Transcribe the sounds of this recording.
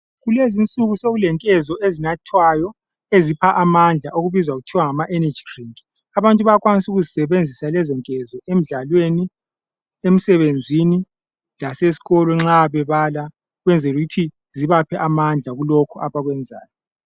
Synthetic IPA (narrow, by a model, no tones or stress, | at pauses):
ɣulezint͡sʼuɣusoɣulɛŋkʼɛzɔʔezinatʰwajɔ | ezipʰaʔamand͡ɮʱaʔoɣuβizwaɣutʰiwaŋamaʔɛnḁd͡ʒiriŋʼi | aβantʼuβakʼwanisuɣuzisɛβend͡zʱisalɛzɔŋkʼɛzɔʔem̩ɮalweni | em̩sɛβend͡zʱini | lasesi̥ɣɔlɔŋ͡ǁaβɛβala | ɣwɛnd͡zʱɛluɣutʰi | ziβapʰɛʔamand͡ɮʱaɣulɔkʰɔʔaβaɣwɛnd͡zʱa̰ːjɔ